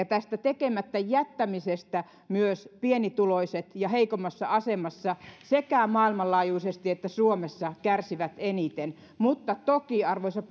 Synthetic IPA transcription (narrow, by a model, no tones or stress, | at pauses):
ɑt̪æst̪æt̪ekemæt̪ːæjæt̪ːæmisest̪æ | myøspienit̪uloiset̪jɑheikomːˑɑsːɑɑsemɑsːɑsekæˑmɑːilmɑllɑːjuisest̪iet̪ːæsuomesːɑkærsiʋæt̪enit̪en | mut̪ːɑt̪okiɑrʋoisʲɑp